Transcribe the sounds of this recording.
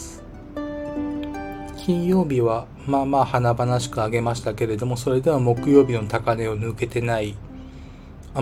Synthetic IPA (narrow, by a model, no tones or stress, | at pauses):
kʲʰĩɰ̃jo̞ːbʲiβa | maːmaːhanabanaɕi̥kɯ̟aɡe̞maɕi̥t̪ake̞ɾe̞d̪o̞mo̞so̞ɾe̞d̪e̞βamo̞kɯ̟jo̞ːbʲino̞t̪akane̞o̞nɯ̟ke̞t̪e̞nai | a